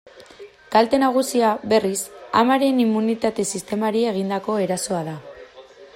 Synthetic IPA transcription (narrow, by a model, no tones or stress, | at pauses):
kalt̪e̞naɣ̞usiaβe̞risa̰maɾe̞nimːunit̪at̪e̞sist̪e̞maɾie̞ɣ̞ind̪ako̞e̞ɾaso̞aða